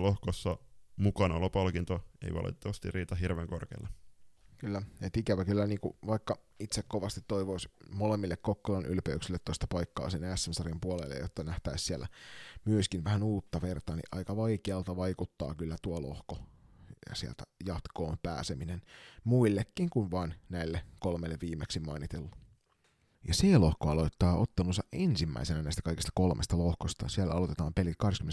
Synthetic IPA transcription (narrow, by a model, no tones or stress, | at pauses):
lohkosːɑmukɑnolːɑpɑlkint̪oḛiʋɑ̰lʔḭt̪et̪ːɑʋɑst̪ḭrriːt̪ɑɦirʋeŋko̰rkḛilːɑkylːæet̪ikæʋækylːæniːŋkṵʋɑikːɑit̪sekkoʋɑst̪it̪t̪oiʋoismolemːilːekkokːolɑnʔy̰lpeyksilːet̪tːost̪ɑ̥pɑikːɑ̰ːsenæsːænsɑrimpuolḛlːḛjjot̪ːɑnæht̪æissiælːæ̰myøskinʋæhænuːt̪ːɑʋert̪ɑnḭʔɑ̰ikɑʋɑikeɑlt̪ɑʋɑikut̪ːɑ̰ːkylːæt̪uolo̰hko | siḛlt̪æjɑt̪koːmpæ̰ːseminenmuilːekːiŋkunʋɑːnnæilːekolmelːeʋʋiːmeksimɑinit̪elːu | jɑselohkoɑloit̪ːɑːot̪ːɑnusɑʔʔensimːæ̰isenænæist̪ækɑikist̪ɑkolmʔḛst̪ɑlohkost̪ɑ̰sielːæ̰ɑlot̪et̪ɑːmpelit̪kɑhɾdeskymːen